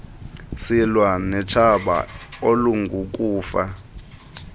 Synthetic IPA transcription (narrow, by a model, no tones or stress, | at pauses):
silwanɛt͡ʃʰaɓa̰oluŋɡʱuk̬ʼuːfa